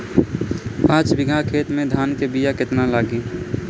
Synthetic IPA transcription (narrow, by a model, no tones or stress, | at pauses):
pãːt͡ʃbɪɡʱakʰeːt̪mẽd̪ʱaːnkebijakɪt̪nalaːɡẽː